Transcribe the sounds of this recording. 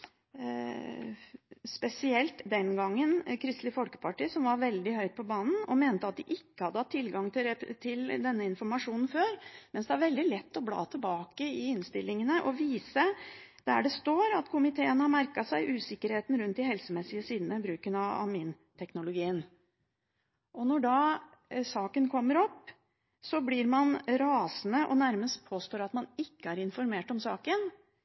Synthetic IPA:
spɛsɪɛlt̪d̪ɛnɡɑŋːənkʰɾɪst̪lɪfɔlkə̥pʰɑʈiːsɔmʋɑɾʋɛld̪ɪhœʏt̪̚pʰɔbɑːnn̩ɔmeːnt̪əɑt̪̚d̪ɪʔɪkːəhɑd̪ːəhɑt̪ʰːɪlɡɑŋt̪ʰɪt̪ʰɪld̪ɛnːəɪnfɔɾmɑʂuːnn̩føːɾmɛnsd̪ɛæɾʋɛld̪ɪlɛt̪ːɔblɑ̰ːt̪ʰəlbɑːkəɪɪnst̪ɪlːɪŋənəʔɔʋiːsəd̪̥æ̰ɖɛst̪oːɾɑt̪kʰʊmɪt̪ʰeːənhɑɾmæɾkɑsæɪʔʉːsɪkːəɾheːt̪n̩ɾʉnt̪ɪɦɛlsəmɛsːɪəsiːd̪nəbɾʉːkənɑɑ̰mɪn | t̪ʰɛknʊlʊɡiːən | ʔɔnɔɖɑː | sɑːkənkʰɔmːəɾɔpː | sɔblɪɾmɑnɾɑːsnəʔɔnæɾməst̪̚pʰoːst̪oːɾɑt̪mɑnɪkːəæɾɪnfɔɾmeːʈɔmsɑːkən

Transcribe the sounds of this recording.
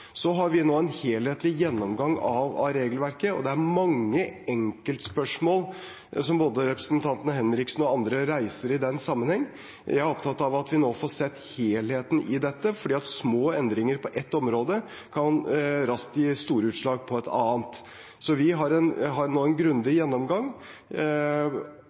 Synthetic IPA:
sɔɦɑɾʋɪnoːɛnheːlheːt̪lɪjɛnːɔmɡɑŋɑʋɑ̰ɾeːɡəlʋæɾkəɔ̰d̪ɛæɾmɑŋːəɛŋkəlt̪spœʂmoːl | sɔmboːd̪əɾɛpɾəsnt̪ʰɑnt̪ənəhɛnɾɪksn̩ɔɑnd̪ɾəɾæɪsəɾɪd̪ɛnsɑmːənhɛŋː | jjæɪæɾɔpt̪ʰɑt̪ːɑʋɑt̪ʋɪnoːfɔsɛt̪ːheːlheːt̪n̩ʔɪd̪ɛt̪ːəfɔɖiːɑt̪smoːɛnd̪ɾɪŋəɾpʰɔʔɛt̪ːɔmɾoːd̪ə | kʰɑnɾɑst̪ɪst̪uːɾəʉːt̪ʂɭɑːɡ̚pʰɔɛt̪ɑ̰ːənt̪ | sɔʋɪɦɑɾɛnɦɑɾnoːɛnɡɾʉnd̪ɪjɛnːɔmɡɑŋː

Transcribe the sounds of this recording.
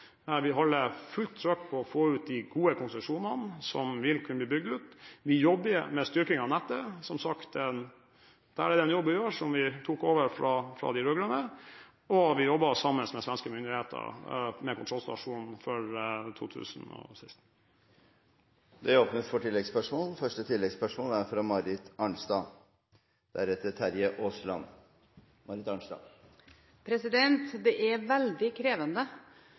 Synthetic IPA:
ʋɪɦɑlːəfʉlt̪ʰːɾœkpʰɔɔfoːʉːt̪̚d̪ɪɡuːəkʰʊnsʉʂuːnənsɔ̰mʋɪlkʰʉnəb̪iːbʏɡ̚d̪ʉːt̪ʋɪjɔbːəmɛst̪ʏɾkɪŋɑnɛt̪ːəsɔmsɑkt̪ɛn | d̪̥ææɾɛd̪ɛnjɔbːɪjoːʂɔmʋɪt̪ʰuːkoːʋəɾfɾɑfɾɑ̰d̪ɪɾøːɡɾənə | ɔʋɪjɔbːɑsɑmːənsmɛsʋɛnskəmʏnd̪ɪheːt̪ʰə̰ɾmɛkʊnt̪ʰɾɔlst̪ɑʂuːnn̩fɔɾt̪ʰṵːt̪ʰʉ̰ːsnɔ̰sæɪst̪̩ | d̪ɛæɔpnət̪fɔʈɪlːɛɡspœʂmoːlfœʂʈət̪ʰɪlːɛɡspœʂmoːlæɾfɾɑmɑɾɪt̪ɑɳsd̪ɑː | d̪̥æ̰ɾɛt̪ːət̪ʰæɾjəʔoːslɑn | mɑɾɪt̪ɑɳʂd̪ɑ̰ː | pʰɾɛsɪd̪ɛnt̪d̪ɛʔæʋæld̪ɪkʰɾeːʋənd̪ə

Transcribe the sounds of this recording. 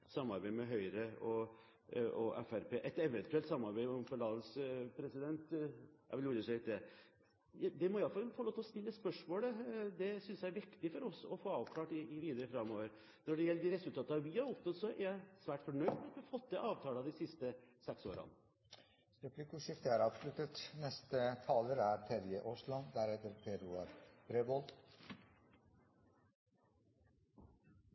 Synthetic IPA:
sɑmːɑɾbæɪmɛɦœʏɾəɔ | ɔʔɛ̰fæɾpʰeːʔɛt̪ɛʋɛnt̪ʉɛlt̪sɑmːɑɾbæɪɔmfɔɭɑːd̪əlspʰɾɛsɪd̪ɛnt̪ɑ̰ʋluːɾəʂɛlɪt̪ːɛ | d̪ɛmɔɪɑlfɑlfɔloːt̪ːlɔst̪ɪlːət̪spœʂmoːləd̪ɛsʏnsjææɾʋɪkt̪ɪfɔɾɔsɔfoːɑːʋkʰlɑːʈɪʋiːd̪əɾəfɾɑmːoːʋəɾ | nɔɖɛjɛlːəd̪ɪɾɛsʉlt̪ʰɑːt̪əɑʋɪhɑɾɔpnɔt̪sɔʔæɾjæɪsʋæːʈfɔɳœʏd̪mɛɑt̪ʋɪɑfɔt̪ːd̪ɛʔɑːʋt̪ʰɑːlɑd̪ɪsɪst̪əsɛkso̰ːɾɑ̰nə | ɾɛpʰlikʊʂɪft̪əæɾɑːʋslʉt̪ət̪nɛst̪ət̪ʰɑːləɾæɾpʰɛɾjəʔɔʂlɔnd̪æɾɛt̪əɾpʰeɾuɑɾbɾebɔl

